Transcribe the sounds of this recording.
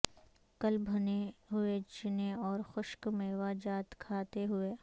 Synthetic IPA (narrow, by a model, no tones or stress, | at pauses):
kɐlbʱɐneɦʊet͡ʃɪneɔːɾxʊʃkmẽʋaːd͡ʒaːt̪kʰaːt̪eɦʊeː